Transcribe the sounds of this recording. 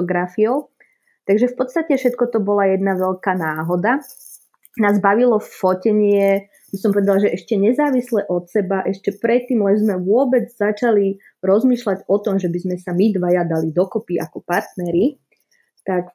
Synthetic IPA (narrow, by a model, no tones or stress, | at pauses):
ɡɾafiɔʊ | t̪aɡʒɛfpɔt̪st̪acɛfʃɛt̪kɔt̪ɔbɔlajɛd̪naʋɛʎkaːnaːɦɔd̪a | naːzbaʋilɔfɔcɛɲɪɛ | bisɔmpɔʋɛd̪alʒɛʔɛʃcɛɲɛzaːʋislɛʔɔt̪sɛbaʔɛʃcɛpɾɛt̪ːiːmlɛnzmɛʋʊɔbɛd͡zzat͡ʃali | ɾɔzmiːʃlaɟɔt̪ɔmʒɛbizmɛsamid̪ʋajad̪alid̪ɔkɔpiʔakɔpaɾt̪nɛɾi | t̪ak